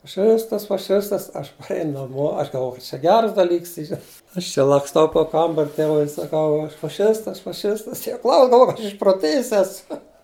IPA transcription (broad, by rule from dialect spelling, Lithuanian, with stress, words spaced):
fɐˈʃʲɪstɐs fɐˈʃʲɪstɐs ˈɐʃ pɐˈrʲɛɪn nɐˈmoː ˈɐʃ ɡɐlˠˈʋoːjɛʊ kɐt t͡ʃʲɛ ˈɡʲæːrɐs dɐˈlʲiːks ˈiːrɐ ˈɐʃ t͡ʃʲɪ lˠɐksˈtɐʊ poː ˈkɐmbɐrʲ ˈtʲeːʋʊɪ ɪr sɐˈkɐʊ ˈɐʃ fɐˈʃʲɪstɐs fɐˈʃʲɪstɐs tʲiɛ ˈklˠɐʊs ɡɐlˠˈʋoːj kɐt ˈɐʃ ɪʃproːˈtʲeːjɪs ˈæːsʊ